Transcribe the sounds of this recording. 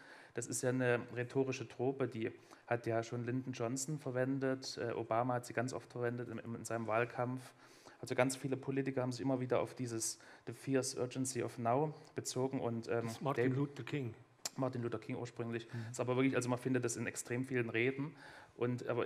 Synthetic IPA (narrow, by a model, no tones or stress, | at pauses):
d̥asɪstjaːnəʁetʰoːʁɪʃətʁ̥oːpədiːhatjaːʃoːnlɪndn̩d͡ʒɔnsn̩fɛɐvɛndətʔɛ̰ːʔo̰baːmahatz̥iːɡant͡sʔɔ̰ftfɛɐvɛndətɪ̰mɪnzaɪnəmvaːlkʰamf | ʔalzoɡant͡sfiːləpʰoliːtɪkɐhabm̩zɪçʔɪmɐviːdɐʔa̰ʊfd̥iːzəsd̥əfiːɐsʔœ̰ɐd͡ʒɛnsiʔɔ̰fnaʊb̥ət͡soːɡŋ̩ʔʊntʔɛːmmtukʰɪŋ | maɐtɪnluːtɐkʰɪŋṵːɐʃpʁ̥ʏŋlɪçɪstaːbɐvɪɐklɪçʔalzomanfɪndət̚d̥asɪnɛkstʁ̥eːmfiːlənʁeːdn̩ʔʊntʔa̰ːbɐ